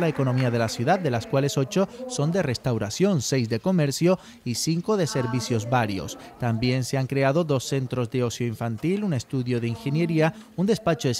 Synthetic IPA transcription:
laeko̞no̞miaðe̞lasjuðad̪ːe̞laskwale̞so̞t͡ʃo̞so̞nd̪e̞re̞st̪awɾasjo̞nse̞jzd̪e̞ko̞me̞ɾsjo | isiŋko̞ðe̞se̞ɾβisjo̞zbaɾjo̞̰st̪ambje̞nse̞aŋkɾe̞aðo̞ðo̞sːe̞nt̪ɾo̞zðe̞o̞sjo̞iɱfant̪ilune̞st̪uðjo̞ðe̞iŋxe̞nje̞ɾiaund̪e̞spat͡ʃo̞es

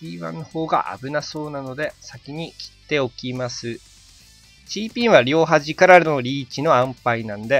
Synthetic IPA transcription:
iːβã̰nːoho̞ːɡa̰ʔa̰bɯ̟naso̞ːnano̞d̪e̞sakʲiɲ̟ikʲi̥t̪ːe̞o̞kʲimasɨ | ɕiːpʲĩɰ̃βaɾʲo̞ːɦaʑikaɾaɾno̞ɾʲiːt͡ɕino̞ãmpainãnod̪e̞

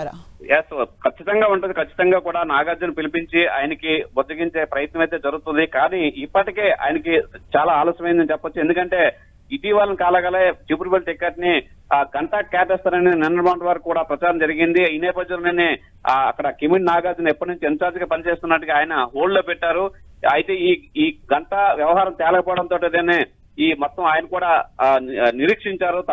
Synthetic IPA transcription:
jeskʰɐt͡ʃːit̪ɐŋɡaːuɳʈund̪ikʰɐt͡ʃːi̥t̪ɐŋɡaːkuːɽaːnaːɡaːd͡ʒɐnupilipiɲt͡ʃia̰ːjɐnɐkibod͡ʒ̪ɐɡiɲt͡ʃe̞ːpɾɐjɐt̪nɐmɐjt̪e̞ːd͡ʒɐɾuɡut̪und̪ikaːniːipːɐʈikeːʔa̰ːjɐnɐkit͡ʃaːlaːlɔːsjɐmɐjndɐnit͡ʃɛpːɐt͡ʃːue̞nd̪ukɐɳʈe̞ː | iʈiːʋaːlɐnikaːlɐɡaleːt͡ʃiːpɾibɐlʈikːeʈni | ɡɐɳʈaːʈ̚kaːpɛːst̪aːɾɐninɛnːɐɾmɐwɳʈʋaːɾɐkkːuːɽaːpɾɐt͡ʃaːɾɐmd͡ʒɐɾiɡind̪iiːnɛːpɐd͡ʒ̪ːɐnlːneːne | ɐ̰kːɐɽɐkimeɳʈnaːɡaːd͡ʒɐnɛpːɐʈnũɲt͡ʃient͡ʃaːɾd͡ʒɡaːpɐnit͡ʃeːst̪unːɐʈuɡaaːjɐnɐɦoːlloːpɛʈːaːɾuɐjit̪e̞ːiːiːɡɐɳʈɐʋjɐʋɐɦaːɾɐmt̪ɛːlɐkɐpɔːɽɐnt̪oːʈed̪eːneː | iːmɔt̪ːɐmaːjɐnɐkuːɽaː | niɾiːkʂiɲt͡ʃaːɾut̪

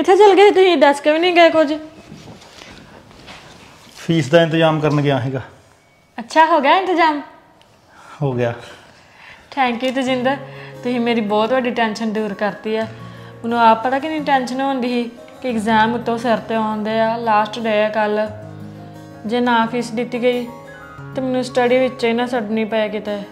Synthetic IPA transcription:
ɪt̪ʰːeːt͡ʃəlɡeeːt̪ʊsĩːd̪əskəʋiːnĩːɡəeːkʊd͡ʒ | pʰiːsd̪aːɪ̃nt̪d͡ʒaːmkəɾənɡɪjãːɦiːɡaː | ətːʃʰaːɦoːɡjaːɪ̃nt̪əzaːm | hoːɡɪjaː | ʈʰɛ̃ːŋkiːt̪od͡ʒɪ̃nd̪aːt̪ʊsĩːmeːɾiːbɔːt̪ʋəɖiːʈɛːnʃənɖ̪uːɾkəɾt̪iːɛːmənũːaːpd̪aːkɪnĩʈɛːnʃənɦõːnd̪iːɦiː | kɪɪkzaːmʊt̪ːõːsəɾt̪eːãːnd̪eːaːlaːsʈɖeːaːkəl | d͡ʒeːnãːpʰiːsd̪ɪt̪ːiːɡəiː | t̪eːmənũːsʈəɖiːʋɪt͡ʃːt͡ʃenãːsəɖnĩːpəjaːkit̪eː

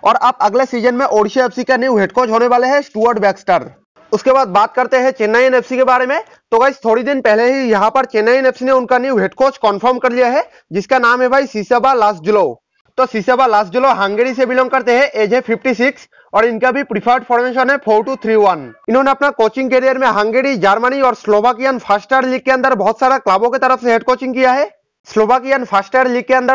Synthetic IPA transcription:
ɔːɾɐb̚ɐɡlesiːd͡ʒənmẽʔoːɽʃiɛːpsikaniːɦeːʈkoːt͡ʃɦoːneʋaːleɦɛsʈuːəɾɖbɛːksʈəɾ | ʊskebaːd̪̚baːt̪̚kɐɾt̪eɦɛ̃t͡ʃeːnaːjenefsikebaːɾemẽ | t̪oːɡaːɪst̪ʰoːɽid̪ɪnpɛɦleɦijɐɦãpɐɾt͡ʃeːnaːieneːfsineʊnkaniːɦeːʈkoːt͡ʃkɔ̃nfʰəɾmkɐɾlijaɦɛ | d͡ʒɪskanaːmɦɛbʱaːisiːsebalaːsʈd͡ʒʊloː | t̪osisəbalaːsʈ̚d͡ʒʊloɦə̃ŋɡeːɽisebɪlɔ̃ŋɡ̚kɐɾt̪eɦɛ̃ʔeːd͡ʒɛpʰɪpʰʈisɪks | ɔːɾɪnkabʱipɾɪpʰəɾɖpʰɔːɾmeʃ̬ənɦɛpʰoːɾʈut̪ʰɾiʋɐnɪnɦõneɐpnakoːt͡ʃɪ̃ŋɡkeːɾijəɾmẽɦɐ̃ŋɡeːɽid͡ʒaːɾməniɔːɾsloːʋaːkijənpʰaːsʈəɾliːɡ̚keɐ̃nd̪əɾbɔɦʊt̪saːɾaklaːbõket̪ɐɾəfseɦeʈkoːt͡ʃɪ̃ŋɡkijaɦɛː | sloːʋaːkijənpʰaːsʈəɾliːɡ̚keɐ̃nd̪əɾ

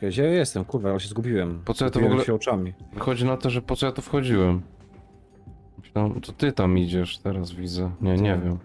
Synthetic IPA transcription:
vʲɛɕajajɛst̪ɛmkuɾvaalɛɕɛzɡubʲiwɛmpɔt̪sɔjat̪ɔvɔɡulɛɕɛɔt͡ʂamʲivɨxɔd͡ʑinat̪ɔʐɛpɔt̪ɔjat̪ɔfxɔd͡ʑiwɛm | amt̪ɔt̪ɘt̪amid͡ʑɛʂt̪ɛɾasvʲid̪zɛɲɛɲɛvʲjɛm

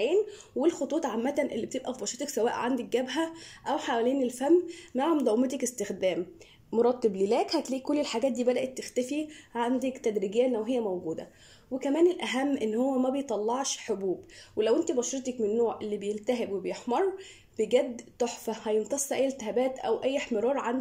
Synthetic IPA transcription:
eːn | welxot̪ˤuːt̪ˤʕamːæt̪ænʔḛlːibet̪ebʔæfibɑʃɾet̪ɑksæwæːʔʕa̰nd̪æk̚ɡæbɦæʔæwħawæleːnelfæmːaʕmd̪ˤɑwmet̪ekest̪exd̪æːmː | oɾˤɑt̪ˤːeblilæːkhæt̪liːʔkolːelħaɡæːt̪̚d̪iːbæd̪æʔet̪ːext̪æfiʕand̪ækt̪æd̪ɾiɡejːæʔnːæwɦejːæmæwɡuːd̪æ̰ | wekæmæːnelʔæɦæmːʔenːhowːæmæbejt̪ˤɑlːɑʕʃħobuːbwelæwʔent̪ibɑʃɾˤet̪ɑkmenːoːʕʔelːibejelt̪æɦebwebejeħmɑɾˤ | b̥eɡæd̪ːt̪oħfæhæjent̪ɑsˤːʔæjːelt̪ehæbæːt̪ʔæ̰wʔæjːeħmeɾˤɑːɾˤʕan

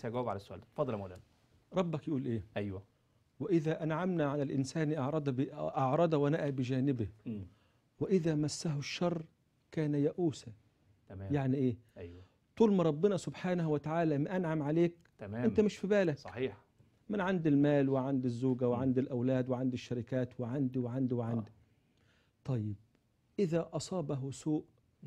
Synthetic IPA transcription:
sæɡæwæbʕalæsːʊʔæ̰ːld̪fɑd̪ˤːɑlmælæːn | ɾˤɑbːækjʔuːlʔeːʔæjwæ | wɪʔɪðæʔænʕamnaʕalælʔɪnsaːnʔɑʕɾˤɑd̪ʔɑʕɾˤɑd̪ˤɑwɪnaʔæbɪd͡ʒæːnɪbɪ | wɪʔɪðæːmæsːaɦʊʃːɑrˤː | kæːnæjæʔuːsa | t̪æjaʕniʔeːʔjw | t̪ˤuːlmɑɾˤɑbːɪnæsʊbħaːnahwɪt̪aʕaːlæmaʔanʕamʕaleːk̪̚ːɪnt̪æmɪʃfibæːlaksˤɑħiːħ | mɪnʕand̪ɪlmaːlwɪʕand̪ɪzːuːɡawɪʕand̪ɪlʔawlæːd̪wɪʕand̪ɪʃːaɾɪkæːt̪wɪʕand̪iwɪʕand̪iwɪʕand̪i | t̪ˤɑjːɪb̚ | ʔɪðæːʔɑsˤɑːbaɦʊsuːʔ

